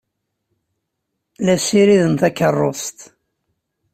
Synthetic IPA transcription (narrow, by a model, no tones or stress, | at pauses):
læsiɾiðənt̪ækːərˤːost̪